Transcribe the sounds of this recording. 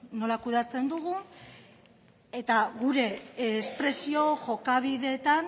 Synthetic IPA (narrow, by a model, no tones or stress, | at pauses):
no̞lakuðat͡se̞nd̪uɣ̞u | e̞t̪aɣuɾe̞spɾe̞sio̞ʝo̞kaβiðe̞t̪an